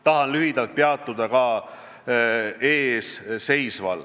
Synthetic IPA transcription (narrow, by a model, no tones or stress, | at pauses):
t̪ɑɦɑnlyɦid̪̥ɑlt̪̚peɑt̪ˑːud̪̥ɑkɑ | eːsse̞jsvɑ̰l